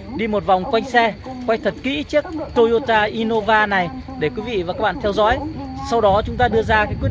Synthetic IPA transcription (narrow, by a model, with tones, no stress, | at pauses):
ɗi˧mo˨˩t̚va˨˩wŋ͡mkwa˧jŋ̟sɛ˧kwa˧jŋ̟t̪ʰə˨˩t̚kḭ˧˥t͡ɕɨ˦˥ək̚t̪o˧jo˧t̪aː˧ʔi˧no˧vaː˧na˨˩j | ɗe˧˩kwi˨˦vḭ˧˨vaː˨˩kaː˦˥k̚ɓa̰ː˧˨˧t̪ʰɛ˧wzɔ̰ː˨˥j | sa˧wɗɔ˨˦t͡ɕʊ˨˦ŋ͡mt̪aː˧ɗɨ˧əzaː˧kaː˨˦kw̚